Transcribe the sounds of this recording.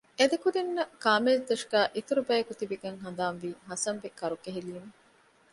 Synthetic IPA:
ed̪ɐkuɾinːɐkaːmezd̪ɐʃɡ̥æːʔit̪uɾubæːekut̪ibiɡɐŋɦɐnd̪aːnʋiːɦɐsɐnʋikɐɾukeɦiliːme

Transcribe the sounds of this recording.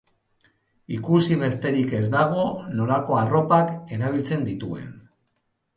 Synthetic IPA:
ikusiβ̞e̞st̪e̞ɾike̞zd̪aɣ̞o̞no̞lako̞aro̞pake̞ɾaβ̞ilt͡se̞nd̪it̪ue̞̰n

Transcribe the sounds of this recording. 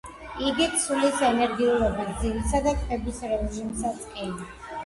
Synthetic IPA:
iɡit̪sʰulisɛnɛɾɡiulˠɔbasd̪zimisad̪akʰɛbisɾɛʒimsat̪sʼkʼɛn

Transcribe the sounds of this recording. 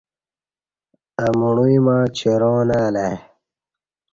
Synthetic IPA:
ɐmuɳuimãːt͡ɕʰeɾõːnaːle

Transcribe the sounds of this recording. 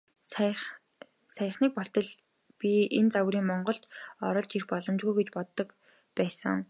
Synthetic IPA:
s | sæj̆χniːk̚pɔɬt̪ɞ̆ɮ | pʲient͡sawriːŋmɔɴɢɞ̆ɬt̪ɔɾɞ̆ɮt͡ɕirxpɔɮɞ̆mt͡ɕɣujɡet͡ɕpɔt̪ːɞ̆k | pæːsə̰̆ŋ

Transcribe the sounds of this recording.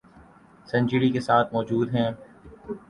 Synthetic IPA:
sɛ̃ɲt͡ʃɪɾikesaːt̪ʰmɔːd͡ʒuːd̪ɦɛ̃ː

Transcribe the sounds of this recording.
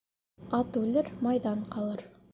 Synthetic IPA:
ɑt̪ʉlɘɾmɑjðɑɴqɑlˠɤɾ

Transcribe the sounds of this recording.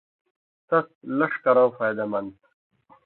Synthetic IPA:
t̪ɐslɐʂkɐɾãːfaːjd̪ɐmɐnt̪

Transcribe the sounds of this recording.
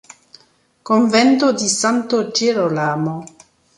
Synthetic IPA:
koɱvɛnt̪od̪isant̪od͡ʒeɾolamo

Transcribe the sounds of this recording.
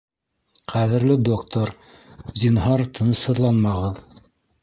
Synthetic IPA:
qæðɘ̆ɾlɘd̪okt̪oɾ | zʲinɦɑɾt̪ʰɤ̆nɤ̆shɤ̆ðlˠɑnmɑʁɤð

